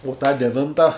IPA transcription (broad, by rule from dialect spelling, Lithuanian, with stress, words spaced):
ʊ tɑː dʲɛˈʋʲɪntɐ